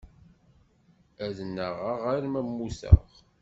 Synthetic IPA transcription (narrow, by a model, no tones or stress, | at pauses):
æðənːəʁaʁaɾmæmːuθə̰ʁ